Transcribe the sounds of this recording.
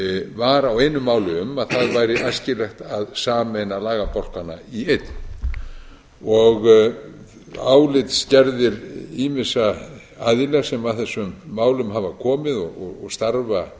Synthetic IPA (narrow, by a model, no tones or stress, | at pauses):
vaɾaweːjnʏmaːwlʏʏmaðθaðvaːjɾɪʔajscɪlɛxt̪aðsaːmejnalaːɣapɔl̥kana̰iejt̪ | ɔɣ | aːwlɪt̪scɛɾðɪɾiːmɪsa | aðɪlɛɣsɛmaðθɛsːʏmːaːwlʏmɦaːvakʰɔːmɪðɔɣɔɔɣst̪aɾva